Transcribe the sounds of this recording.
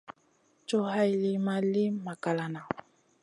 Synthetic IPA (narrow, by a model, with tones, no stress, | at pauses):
t͡ʃo˦ha˦jli˨ma˨li˦ma˨ka˨la˨na˨